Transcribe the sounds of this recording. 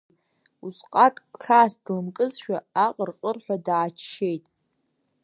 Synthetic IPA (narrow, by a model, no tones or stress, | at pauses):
usqʼakʼɬʰaːsd̥lɨmkʼɨzʃᶣaaqʼərqʼərħʷᶣadaːt͡ʃʰʃejtʼ